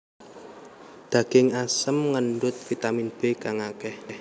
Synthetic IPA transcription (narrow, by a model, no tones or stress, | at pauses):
d̪̥ä̤ɡ̥ɪŋasəmŋənɖʊt̪̚fit̪aminb̥e̤kaŋakɛh